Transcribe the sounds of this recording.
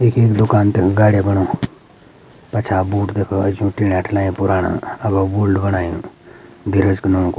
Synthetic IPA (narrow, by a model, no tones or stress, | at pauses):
ekʰeːkd̪ʊkaːnt̪ekʰɡaːɽebɐɽ̃o | pɐt͡ʃʰabuːʈd̪ekʰoɐd͡ʒũʈiɽaʈʰlaːjũpʊɾaːnã̰ɐbabuːlɖbɐɽaːjũd̪ʱiɾəd͡ʒknõkː